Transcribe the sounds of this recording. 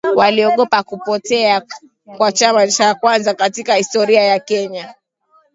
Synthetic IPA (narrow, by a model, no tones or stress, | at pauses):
waliɔɠɔpakupɔtɛa | kwat͡ʃamat͡ʃakwanzakatikahistɔɾiajakɛɲa